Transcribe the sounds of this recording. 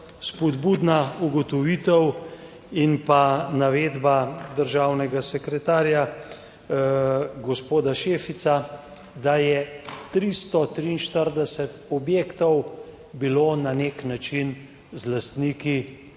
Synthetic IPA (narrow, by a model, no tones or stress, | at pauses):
spɔd̪bud̪nauɡɔt̪ɔʋiːt̪ɛw | inpanaʋeːd̪bad̪əɾʒawnɛɡasɛkɾɛt̪aːɾja | ɡɔspoːd̪aʃeːfit̪sa | d̪ajɛt̪ɾist̪ɔt̪ɾiːnʃt̪əɾd̪ɛsɛt̪ɔbjeːkt̪ɔw | biloːnaneːknat͡ʃin | zlast̪niːki